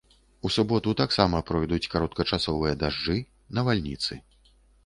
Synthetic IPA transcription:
usubɔt̪ut̪aksamɐpɾɔjd̪ut͡sʲkaɾɔt̪̚kɐt͡ʂasɔvɨjɐd̪aʐd͡ʐɨ | nɐvalʲnʲit̪sɨ

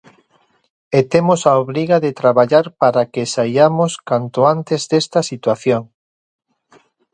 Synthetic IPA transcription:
et̪emosaoβɾiɣaðet̪ɾaβaʎaɾpaɾakesajamoskant̪oant̪ezðest̪asit̪waθjoŋ

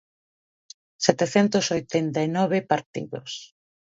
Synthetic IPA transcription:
sɛt̪eθɛnt̪osojt̪ɛnt̪ainɔβepaɾt̪ḭðo̰s

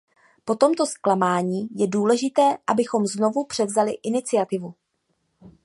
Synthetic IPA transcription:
po̞t̪o̞mt̪o̞sklamaːɲiːjɛduːlɛʒɪt̪ɛːʔabɪxo̞mzno̞vupr̝̥ɛvzalɪʔɪnɪt͡sɪjat̪ɪvu

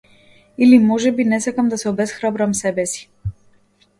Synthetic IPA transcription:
ilimɔʒɛbinɛsakamd̪asɛɔbɛsxɾabɾamsɛbɛsi̥

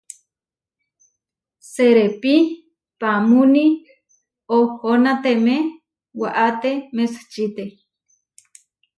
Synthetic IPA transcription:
seɾepi | pamuni | ohonat̪eme | waʔat̪emest͡ʃit̪e

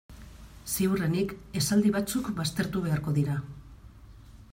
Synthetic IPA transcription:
siurenike̞sald̪iβ̞at͡sukbast̪e̞ɾt̪uβe̞aɾko̞ðiɾa

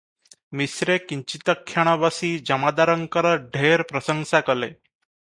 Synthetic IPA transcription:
misɾekiɲt͡ɕit̪əkʰːjaɽ̃aʋasiːd͡ʑəmad̪aɾəŋkəɾəɖʱeɾpɾəsəŋɡsakəle

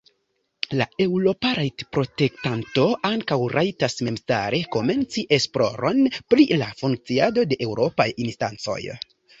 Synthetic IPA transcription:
lae̞wɾo̞paɾajtpɾo̞te̞k̚tanto̞aŋkawɾʔajtasme̞msta̰ɾe̞ko̞me̞nt͡siʔe̞splo̞̰ɾo̞npɾilafuŋk̚t͡siado̞de̞ʔewɾo̞pajinstant͡so̞̰j

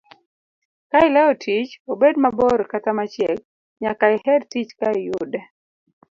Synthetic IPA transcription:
kaɪlaotʰit͡ʃobedmabɔɾkatamat͡ʃɛk̚ | ɲakaɪhɛdtit͡ʃkaɪjudɛ

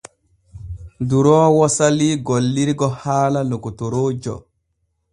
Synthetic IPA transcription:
duɾɔːwɔsaliɡolːiɾiɡɔhaːlalukutoɾoːd͡ʒɔ̰

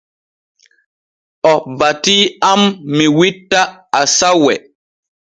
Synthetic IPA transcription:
ɔbatiːamːiwitːaasawɛ

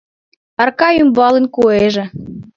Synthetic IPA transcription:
ɑrkɑymbɑlenkueʒĕ

